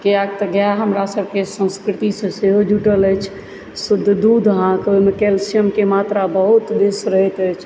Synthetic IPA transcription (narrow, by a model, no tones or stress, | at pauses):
keaɡ̚t̪əɡjaɦəmɾasəbʱkesə̃nskɾɪt̪isə̃seɦod͡ʒʱuʈələjt͡ʃʰ | səd̪ʱd̪ud̪ʱɦãkojmekelsijəmkemat̪ɾabəɦut̪d̪esɾəɦɛt̪ət͡ʃʰ